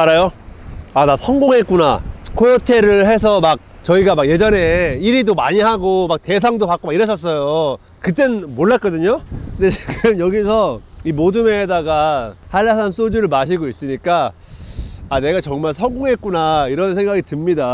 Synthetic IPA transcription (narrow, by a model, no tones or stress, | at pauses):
aɾajo | anasʰʌŋɡoŋɦe̞t̚k͈una̰kʰojotʰe̞ɾɯɭɦes̬ʰʌmak̚t͡ɕʌiɡamakje̞d͡ʑʌne̞iɾidomaɲiɦaɡomak̚te̞s̬ʰaŋdopak͈omaiɾʌɕ͈ʌs͈ʌjo | kɯt̬͈enɯnmoɭːak͈ʌdɯɲokɯndet͡ɕiɡɯmjʌɡisʰʌimodume̞ɦedaɡahaɭːasʰans͈od͡ʑuɾɯɭmaɕ̬ʰiɡois͈ɯɲik͈a | ane̞ɡat͡ɕʌŋmaɭsʰʌŋɡoŋɦe̞t̚k͈unaiɾʌnsʰe̞ŋɡaɡitɯmɲida